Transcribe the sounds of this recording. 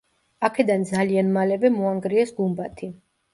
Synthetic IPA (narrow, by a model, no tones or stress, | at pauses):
akʰɛd̪and̪zalianmalɛvɛmɔaŋɡɾiɛsɡumbat̪ʰi